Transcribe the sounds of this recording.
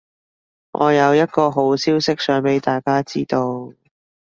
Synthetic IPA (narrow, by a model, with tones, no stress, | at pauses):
ŋʔɔ̰ː˨˧jɐ˨˧wjɐ˥t̪̚kɔː˧ɦo˨˥wsiː˥wsɪ˥k̚sœː˨˥ŋpe˨˥jt̪aː˨jkaː˥t͡siː˥t̪o˧w